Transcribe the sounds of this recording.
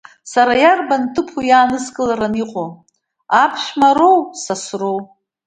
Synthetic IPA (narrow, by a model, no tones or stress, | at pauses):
saɾajarbantʰɨpʰujaːnɨskʼɨlaɾaniqʼo | apʰʃmaɾo̞wsasrow